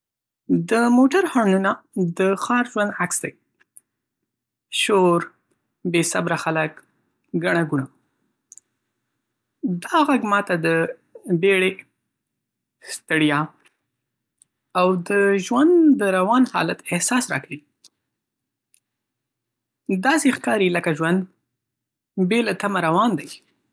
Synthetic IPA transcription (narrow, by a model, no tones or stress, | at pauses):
d̪əmoʈaɾhɑnunad̪əxɑɾʒwand̪aksd̪aj | ʃoɾ | besabɾaxalək | ɡaɳaɡuɳa | d̪ɑɣaɡmɑt̪ad̪ə | beɽe | st̪ɪɽjɑ | awd̪əʒwand̪d̪əɾawɑnhɑ̰lat̪ɪhsɑsɾɑ̰kawi | d̪ɑsexkɑɾiləkaʒwand̪ | belat̪amaɾawɑnd̪aj